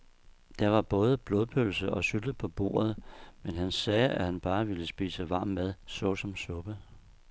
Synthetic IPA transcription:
d̥ɑɐʋɑ̈b̥ɔ̽ːðˠəb̥lo̝ðˠpʰølsəɒ̽syd̥əpʰɒ̽b̥o̝̰ːɐð̞̩ˠmenɦænsɛːæhænb̥ɑ̈ːʋiləsb̥ḭːsəʋɑ̈ːmːeð̞ˠsɒ̽sɒ̽msɔ̽b̥ə

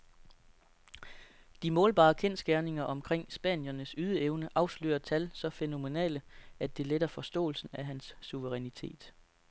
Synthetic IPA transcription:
d̥imɔːlb̥ɑ̰̈ːkʰen̰sɡ̥æɐne̝ŋɐʔɒ̽mkʰʁeŋ̰sb̥ɛ̰ːnjɐnəsyð̞ˠəeʊnəʔɑ̈ʊslø̰ːɐt͡sʰælsɒ̽feno̝me̝nɛ̰ːləæd̥e̝led̥ɐfɒ̽sd̥ɔ̰̽ːl̩sn̩æɦænsːuʋəʁɛnit͡sʰe̝̰ːd̥

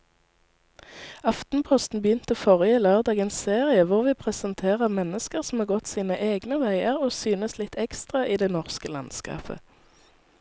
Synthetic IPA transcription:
ɑft̪n̩pʰɔst̪n̩bəjʏnt̪əfɔʁɪəløːʁd̪ɑːɡənsseːʁɪəʋʊʁʋiːpʰʁɛsənt̪ʰeːʁəʁmɛnəskəʁsm̩ɑːʁɡɔt̪siːnəʔeːɡnəʋæɪəʁoːsyːnəslɪt̪ʰɛkst̪ʁɑʔiːd̪ɛnɔʁskəlɑ̰nskɑ̰ːpʰə̰

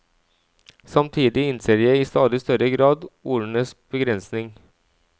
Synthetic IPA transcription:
sɑmt̪ʰiːd̪ɪɪnseːjæɪɪst̪ɑːd̪ɪst̪œɾəɡɾɑːd̪uːɾɳəsb̥əɡɾɛnsnɪŋ

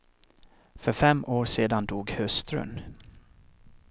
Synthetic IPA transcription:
fœɾfɛmʔoːɾʂeːd̪and̪uːɡhœst̪ɾə̰n

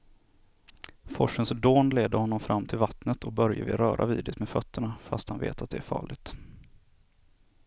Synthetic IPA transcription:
fɔʂənsd̪oːnleːd̪əɾhɔnːɔmfɾamːt̪ʰɪlvat̪nət̪ʰɔk̚bœɾjə̰vɪɾœːɾʔaviːd̪ɪt̪meːfœt̪ʰːəɳafast̪hanvḛːt̪at̪̚d̪ɛæɾfɑ̰ːɭɪɡt̪

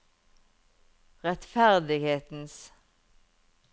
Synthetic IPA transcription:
ʁɛt̪fæʁd̪ɪɡheːt̪n̩s

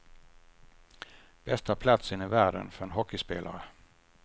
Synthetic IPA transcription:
b̥ɛst̪apʰlat̪sɪnːɪvæːɖə̰nfœɾɛnɦɔkːɪspeːla̰ɾə

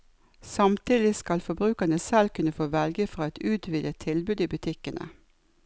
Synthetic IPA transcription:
sɑmt̪ʰiːd̪ɪskɑlfɔbʁʉːkənəsɛlkʰʉnəfoːʋɛlɡəfʁɑːɛt̪ʉːt̪ʰʋiːd̪ət̪ʰɪlbʉːd̪iːbʉt̪ʰɪkənə̰

